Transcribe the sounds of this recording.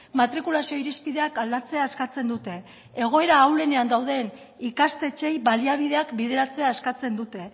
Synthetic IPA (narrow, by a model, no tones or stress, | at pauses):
mat̪ɾikulasio̞iɾispiðe̞akald̪at͡se̞aeskat͡se̞nd̪ut̪e̞ː | ɣ̞o̞e̞ɾaːwle̞ne̞and̪awðe̞n | ikast̪e̞t͡ʃe̞jβaliaβiðe̞akbið̞e̞ɾat͡se̞aeskat͡se̞nd̪ut̪e̞